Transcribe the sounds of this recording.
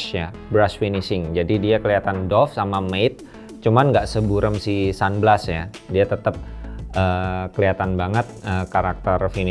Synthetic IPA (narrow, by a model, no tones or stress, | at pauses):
ja | bɾasfinisɪŋd͡ʒadidiakəliat̪andɔfsamameɪt̪̚ | t͡ʃumanŋɡaʔsəbuɾəmsisanbəlasja | diat̪ət̪əp̚ʔəkəliat̪anbaŋət̪̚əkaɾak̚t̪ərfin